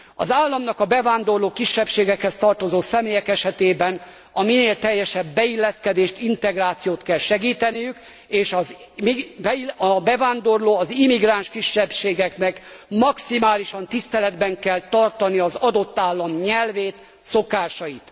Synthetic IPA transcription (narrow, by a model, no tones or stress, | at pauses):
ɒ̰zaːlːɒmnɒkɒbɛvaːnd̪o̞rloːkiʃːɛpʃeːɡɛkhɛst̪ɒrt̪o̞zoːsɛmeːjɛkɛʃɛt̪eːbɛn | ɒmineːlt̪ɛjːɛʃɛbːɛilːɛskɛd̪eːʃt̪int̪ɛɡraːt̪sijoːt̪kɛlʃɛɡiːt̪ɛnijyk | eːʃɒz | ibɒbɛvaːnd̪o̞rloːɒzimiɡraːnʃkiʃːɛpʃeːɡɛknɛkmɒksimaːliʃɒnt̪ist̪ɛlɛd̪bɛŋkɛlt̪ɒrt̪ɒniɒzɒd̪o̞t̪ːaːlːɒmɲɛlveːt̪ | so̞kaːʃɒjit̪